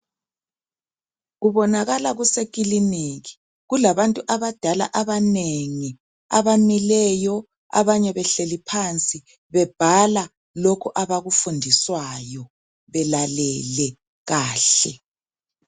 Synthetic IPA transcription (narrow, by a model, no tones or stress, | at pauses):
ɣuβɔnaɣalaɣusekʼiliniɣi̥ | ɣulaβantʼuʔaβad̥ʱala̰ʔaβaneŋi | a̰βanilɛjɔ | a̰βaɲɛβɛɬelipʰant͡sʼi | βɛb̥ʱala | lokʰuʔaβaɣufundʱiswajɔ | βɛlalɛlɛ | ɣaːɬɛ